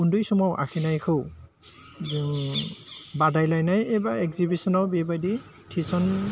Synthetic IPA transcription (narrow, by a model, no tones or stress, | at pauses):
undujsɔmɔwʔa̰kʰinajkʰɯw | z | badajlajnajejbaɛɡzibisɔnawbebajdi | tʰisɔn